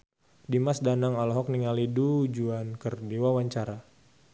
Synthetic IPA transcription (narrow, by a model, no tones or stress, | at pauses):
dimasdanaŋalɔɦɔk̚niŋaliduud͡ʒuankərdiwawaɲt͡ʃaɾa